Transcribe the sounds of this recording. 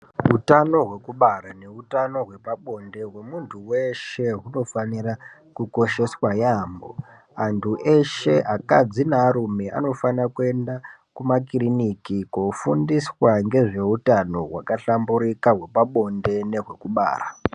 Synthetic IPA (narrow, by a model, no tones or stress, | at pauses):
ɦutano̞ɦwe̞kuɓaɾane̞utano̞ɦwe̞paɓo̞nde̞ɦwe̞muntʰuwe̞ʃe̞ɦuno̞fanira | kuko̞ʃe̞swajaːmbo̞̰ | antʰuʔe̞ʃe̞ʔaka̰d͡zinaːɾumea̰no̞fanakue̞ndakumakirinikikofundiswaŋɡe̞ʐe̞utano̞ɦwakaɬambuɾikaɦwe̞paɓo̞nde̞ne̞ʐwe̞kuɓa̰ːra